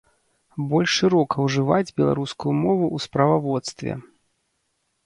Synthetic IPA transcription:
bɔlʲʂʂɨɾɔkɐwʐɨvad͡zʲbʲɛlˠa̰ɾuskujumɔvuʔuspɾɐvavɔt̪st̪vʲɛ̰

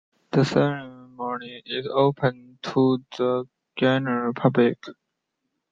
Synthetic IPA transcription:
d̪̥əsɛɪ̃mɔnĩŋɪzoːpʰə̃ntʰud̪ə | d͡ʒɛnəəɪpʰʌblɪk

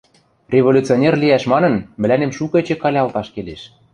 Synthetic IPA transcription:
rʲevolʲut͡sionʲerliæʃmɑnɤ̆nmɘ̆lænemʃukɤ̆et͡ɕĕkɑlʲɑlt̪ɑʃkeleʃ

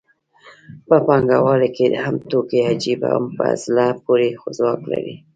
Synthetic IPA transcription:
pəpɑŋɡawɑleked̪əhamt̪okead͡ʒiba̰mpə̰azlapoɾexozwɑkla̰ɾi

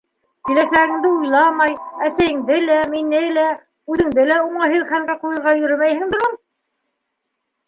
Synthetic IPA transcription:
kilæsæɣɘ̆ŋd̪ɘujlˠɑmɑjæsæjɘ̆ŋd̪ɘlæminɘlæ | ʉðɘ̆ŋd̪ɘlæuɴɑɦɘðχæŋɡæqujɤ̆ɾʁɑjɵ̆ɾɘmæjhɘ̆ŋd̪ŏɾum

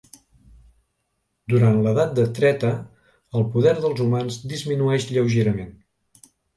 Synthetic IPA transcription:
d̪uɾanləðat̪̚d̪ət̪ɾɛt̪ə | əlˠpuðɛɾðəlˠzumanzd̪izminuɛʃʎəwʒeɾəmen

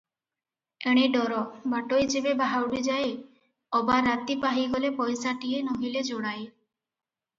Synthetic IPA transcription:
eɽ̃eɖɔɾɔbaʈojd͡ʒebebaɦawɽid͡ʒaj | ɔbaɾat̪ipaɦiɡɔlepɔjsaʈienoɦiled͡ʒoɽ̃aj

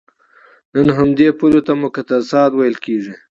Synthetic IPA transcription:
nənɦamd̪epulot̪amʊkat̪asɑːt̪wajəlkeʐi

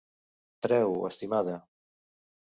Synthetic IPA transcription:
t̪ɾɛwḛst̪imaðɐ

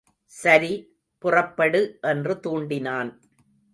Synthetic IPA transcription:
sɐɾi | pʊrɐpːɐɽɯʔɛndrɯt̪uːɳɖɪnaːn

